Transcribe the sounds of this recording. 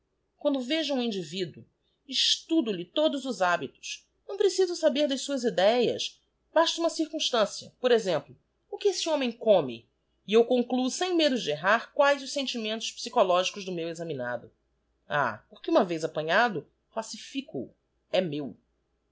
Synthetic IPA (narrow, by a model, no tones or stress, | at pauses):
kwɐ̃nd̪ʊveʒɐũĩnd͡ʒivid̪ʊ | iʃt̪ud̪ʊlɪt̪od̪ʊzʊzabit̪ʊ̥s | nɐ̃w̃pɾesizʊsabeɾd̪ɐsuɐzid̪ɛjɐ̰s | baʃt̪ɐũmɐsiɾkũʃt̪ɐ̃siɐpoɾezẽmplʊ | ʊkɪesɪõmẽj̃kõmɪ̰ | ɪewkõŋklusẽj̃med̪ʊd͡ʒɪeɦaɾkwajzʊʃsẽnt͡ʃimẽnt̪ʊʃpsikolɔʒikʊzd̪ʊmewezɐmina̰d̪ʊ | a̰poχkɪũmɐvejzapɐ̃ɲad̪ʊ | klasifikṵ | ɛmew